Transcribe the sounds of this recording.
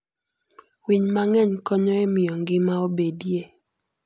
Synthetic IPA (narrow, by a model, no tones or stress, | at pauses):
wiɲmaŋɛɲkɔɲɔɛmɪjɔŋɡɪmaobedje